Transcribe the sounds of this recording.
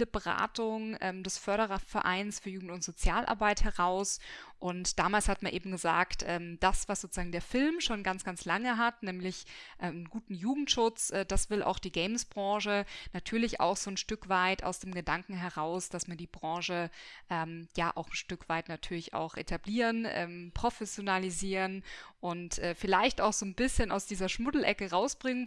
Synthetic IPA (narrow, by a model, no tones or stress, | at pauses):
əbəʁa̰ːtʊŋʔɛːmdɛsfœɐɾəʁɐfɛɐʔa̰ɪnsfyːɐjuːɡŋ̩tʊntz̥ot͡sjaːlʔa̰ɐbaɪthɛʁaʊsʔʊntd̥aːmaːlshatmanʔeːbm̩ɡəza̰ːktʔɛːmd̥asv̥asz̥oːt͡səzaːŋ̩deːɐfɪlmʃoːnɡant͡sɡ̥ant͡slaŋəɦatnɛːmlɪçʔɛːɡuːtn̩juːɡŋ̩tʃʊt͡sʔɛːd̥asv̥ɪlʔa̰ʊxd̥iːɡɛɪmsb̥ʁɑ̃ːʃənatʰyːɐlɪça̰ʊxz̥oːnʃtʏkv̥aɪtʔa̰ʊsd̥eːmɡədaŋkŋ̩ɦɛʁaʊsd̥asm̥iːɐdiːbʁɑ̃ːʃəʔɛːmjaːʔa̰ʊxn̩ʃtʏkv̥aɪtnatʰyːɐlɪça̰ʊxʔḛtʰabliːʁənʔɛ̰ːmpʁ̥ofɛsjonaliziːʁənʔʊntʔɛːfɪlaɪçtaʊxz̥oːnbɪsçəna̰ʊsd̥iːzɐʃmʊdl̩ʔɛkəʁaʊsb̥ʁɪŋən